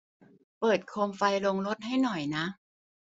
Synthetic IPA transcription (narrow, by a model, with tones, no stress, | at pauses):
pɤː˨˩t̪̚kʰoː˧mfa˧jlo˧ŋɾo˦˥t̪̚ɦa˥˩jnɔ˨˩jna˦˥ʔ